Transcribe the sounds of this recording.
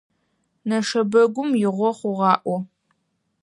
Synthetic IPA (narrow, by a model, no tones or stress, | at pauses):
nɐʂɐbɐɡʷʊmjɪʁʷɔχʷʊʁɑːʔʷɔ